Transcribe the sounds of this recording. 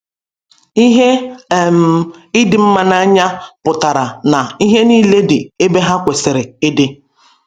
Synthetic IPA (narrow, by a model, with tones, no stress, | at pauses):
i˦ɦe˦˨m̩˨ɪ˦dɪ˨m̩˦ma˦na˦a˦ɲa˦pʊ˨ta˨ɾa˨na˨i˦ɦe˦niː˦le˦dɪ˨e˦be˦ɦa˦kʷe˨sɪ˨ɾɪ˨ɪ˦dɪ˦